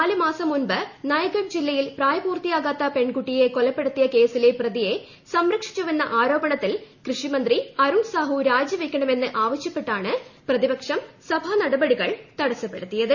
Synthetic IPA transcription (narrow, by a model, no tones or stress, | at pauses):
aːlɨmaːsɐmːunbɨnɐjɐɣɐmd͡ʑilːɐjilpraːjɐbuːrt̪ijaːɣaːt̪ːɐpeɳɡuʈːije̞kolɐpːeɽut̪ːijɐke̞ːsileprɐðije̞ | sɐmɾɐkʂi̥t͡ɕːuʋenːɐʔaːɾo̞ːbɐɳɐt̪ːilkrɨʂimɐnd̪riɐɾuɳsaːɦuɾaːd͡ʑɐʋɐkʲːɐɳɐme̞nːɨʔaːʋɐɕjɐpːe̞ʈːaːɳɨprɐðibɐkʂɐmsɐbʱaːnɐɽɐbɐɽiɣɐɭt̪ɐɽɐsɐpːe̞ɽut̪ːijɐðɨ